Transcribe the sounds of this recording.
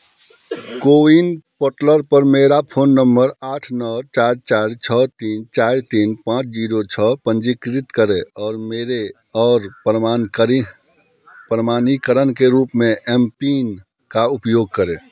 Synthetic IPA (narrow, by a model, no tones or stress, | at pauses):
koːinpoːʈləɾpəɾmeːɾapʰoːnːəmbəɾaːʈʰnɔːt͡ʃaːɾt͡ʃaːɾt͡ʃʰət̪iːnt͡ʃaːɾt̪iːnpãːt͡ʃd͡ʒiːɾot͡ʃʰəpə̃nd͡ʒikɾɪt̪kəɾẽɔːɾmeːɾe | ɔːɾɾa | pɾəmaːnikəɾənkeɾuːpmẽʔɛːmpiːn | kaʊpjoːɡ̚kəɾẽː